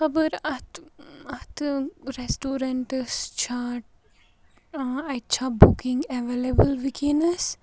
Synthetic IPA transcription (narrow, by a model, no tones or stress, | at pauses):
xɐbəɾɐt̪ɐt̪ɾesʈoːɾɐɳʈəst͡ʃʰaːʈ̚ | ɐt͡ʃʰabukĩŋɡeʋelebəlʋikinɐs